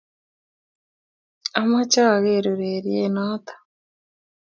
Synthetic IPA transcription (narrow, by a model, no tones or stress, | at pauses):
amat͡ʃaaɣeɾuɾeɾjenaːt̪ḁ